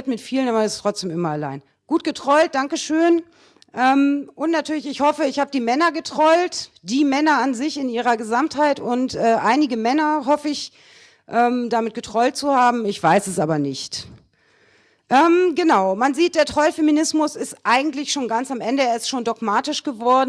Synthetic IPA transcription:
tmɪtfiːlənaːbɐɛstʰʁ̥ɔt͡sd̥eːmʔɪmɐala̰ɪn | ɡ̥uːt̚ɡ̥ətʁ̥ɔʏlt̚d̥aŋkəʃøːn | ʔɛːmʔʊntnatʰyːɐlɪçɪçhɔfəɪçhaːbədiːmɛnɐɡətʁ̥ɔʏlt | d̥iːmɛnɐanzɪçɪnʔiːʁɐɡəzamthaɪtʊntʔɛːʔaɪnɪɡəmɛnɐɦɔfəɪç | ʔɛːmdamɪt̚ɡ̥ətʁ̥ɔʏlt̚t͡suhaːbm̩ɪçv̥aɪsɛsʔaːbɐnɪçt | ʔɛːmɡənaʊmanziːt̚d̥eːɐtʁ̥ɔlfeminɪsmʊsɪstʔaɪɡŋ̩tlɪçʃoːnɡant͡samʔɛndəeːɐɪstʃoːndɔɡmaːtɪʃɡ̥əvɔɐdn̩

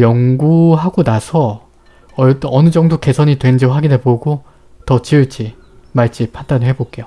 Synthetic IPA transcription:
jʌŋɡuɦaɡonasʰʌ | ʌt͈ʌnɯd͡ʑʌŋdoke̞sʰʌɲitwe̞nd͡ʑiɸaɡinɦeboɡo | tʌt͡ɕiɭt͡ɕʰi | maɭt͡ɕ͈ipʰandanɯɭɦe̞bok͈e̞jo

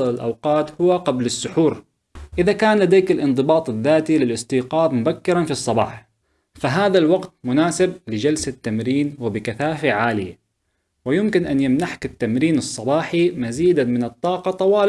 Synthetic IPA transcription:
ɪlʔa̰wqɑːt̪hʊwaqablɪsːʊħuːɾ | ʔɪðakaːnlad̪eːkɪlʔɪnd̪ˤɨbɑːt̪ˤɪðːaːt̪ilɪlʔɪst̪iːqɑːðmʊbakːɪɾˤanfisˤːɑbɑ̰ːħ | faɦaːðalwaɡt̪mʊnaːsɪb̚lɪd͡ʒalsat̪ːamɾiːnwɪbɪkaθaːfaʕaːlɪja̰ | wɪjʊmkɪnʔanjamnaħkɪt̪ːamɾiːnɨsˤːɑbɑːħimaziːd̪amɪnɨt̪ˤːɑːqɑt̪ˤɑwɑːl

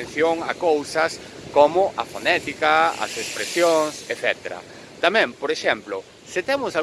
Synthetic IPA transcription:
nθjoŋa̰kowsɐs | komʊʔɐ̰fonɛt̪ikɐɐ̰sespɾesjoŋseθɛt̪eɾɐ̰ | t̪amɛ̃mpoɾeʃɛmplʊ | sɪt̪ɛmʊsal

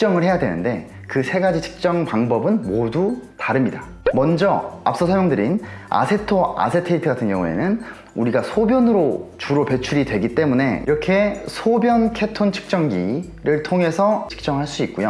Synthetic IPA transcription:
ik̚t͡ɕ͈ʌŋɯɭhe̞jadwenɯ̰nde̞ | kɯsʰe̞ɡad͡ʑit͡ɕʰi̥k̚t͡ɕ͈ʌŋpaŋbʌbɯnmodutaɾɯmɲida | mʌnd͡ʑʌa̰p̚s͈ʌsʰʌmjʌŋdɯɾina̰sʰe̞tʰoa̰sʰe̞tʰeitʰɯɡatʰɯnɡjʌŋue̞̰nɯn | uɾiɡasʰobjʌnɯɾot͡ɕuɾope̞t͡ɕʰuɾidwe̞ɡit͈e̞mune̞ḭɾʌkʰe̞sʰobjʌnkʰe̞tʰont͡ɕʰɯ̥k̚t͡ɕ͈ʌŋɡḭ | ɾɯɭtʰoŋɦe̞sʰʌt͡ɕʰi̥k̚t͡ɕ͈ʌŋɦaɭs͈uik̚k͈ojo

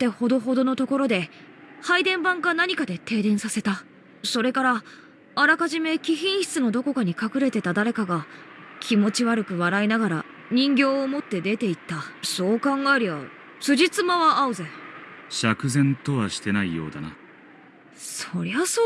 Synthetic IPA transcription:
t̪ːe̞ho̞d̪oɦo̞d̪o̞no̞t̪o̞ko̞ɾo̞d̪e̞ | haid̪ẽ̞mbãŋɡanaɲ̟ʲikad̪e̞t̪e̞ːd̪ẽ̞ɰ̃sase̞t̪a | so̞ɾe̞kaɾa | aɾakaʑime̞kʲiçĩɰ̃ɕi̥t͡sɨno̞d̪o̞ko̞kaɲ̟ikakɯ̟ɾe̞t̪e̞t̪ad̪aɾe̞kaɡakʲʰimo̞t͡ɕiβaɾɯ̟kɯ̟βaɾainaɡaɾa̰ | ɲ̟ĩŋɡʲo̞ːmo̞t̪ːe̞d̪e̞t̪e̞it̪ːaso̞ːkãŋɡaeɾʲiβa̰ | sɨʑit͡sɨmaβaʔːɯ̟zeɕakɯ̟zẽ̞nt̪o̞βaɕi̥t̪e̞naijo̞̰ːd̪a̰na̰ | so̞ɾe̞βaso

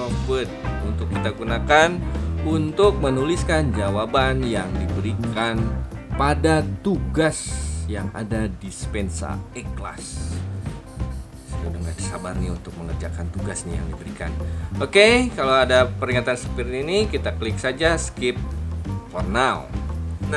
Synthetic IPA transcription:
ofut̪̚unt̪ʊkːit̪aɡunakanunt̪ʊk̚mənuliskand͡ʒawabanjaŋdibəɾikanpadat̪uɡasjaŋa̰dadispɛnsa̰ɛkla̰s | sədundəŋadisabarniunt̪ʊk̚məŋərd͡ʒakant̪uɡasnija̰ŋdibəɾika̰nokekalaoadapəɾiŋat̪ansə̥pirninikit̪akəlɪksad͡ʒaskɪp̚fɔrnalna

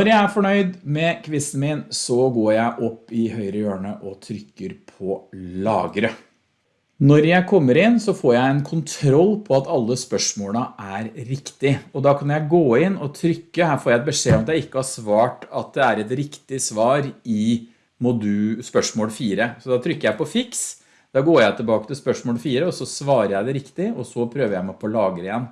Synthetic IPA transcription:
nɔɾjæɪæfɔɳœʏd̪mɛkʰʋɪst̪n̩mɪnsɔɡoːɾjæɪʔɔpːɪɦœʏɾəjøːɳəʔɔt̪ʰɾʏkːəɾpʰɔlɑ̰ːɡɾə | nɔɾjæɪkʰɔmːəɾɪnːsɔfoːɾjæɪɛnkʰʊnt̪ʰɾɔlːpʰɔɑt̪ɑlːəspœʂmoːləʔæɾɾɪkt̪ɪɔd̪ɑkʰɑnjæɪɡoːɪnːɔt̪ʰɾʏkːəhæːɾfoːɾjæɪɛt̪̚bəʂeːɔmɑt̪jæɪɪkːəhɑsʋɑːʈɑt̪̚d̪ɛæɾɛt̪ɾɪkt̪ɪsʋɑːɾɪ | mɔd̪ʉspœʂmoːlfiːɾəsɔd̪ɑt̪ʰɾʏkːəɾjæɪpɔfɪks | d̪̥ɑːɡoːɾjæɪt̪ʰɪlbɑːkət̪ɪlspœʂmoːlfiːɾəɔsɔsʋɑːɾəɾjæɪd̪ɛɾɪkt̪ɪɔsɔpʰɾøːʋəɾjæɪmæpʰɔlɑːɡəɾəɪɛnː

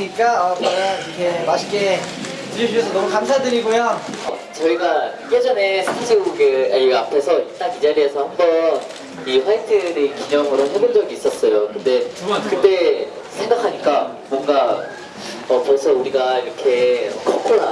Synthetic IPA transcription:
ɲik͈aʌbananɾikʰemaɕʰi̥k͈e | tɯɾʌd͡ʑuɕʰʌsʰʌnʌmukamsʰadɯɾiɡojoʌt͡ɕʌiɡa | kʰed͡ʑʌne̞sʰaŋd͡ʑioɡɯeapʰe̞sʰʌiɭt͈aŋid͡ʑaɾie̞sʰʌhambʌn | iɸwaisʰɯɾɯkiɲʌŋɯɾonɦebond͡ʑʌɡiːs͈ʌs͈ʌjokɯnde̞kɯnde̞ | sʰe̞ŋɡakʰaɲik͈a | mwʌŋɡa | ʌpʌsʰʌuɾiɡaiɾʌkʰe̞ʌkʰok͈ʰoɭa̰

